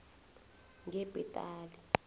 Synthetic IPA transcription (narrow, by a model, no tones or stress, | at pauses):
ŋɡɛbʱɛtʼaːli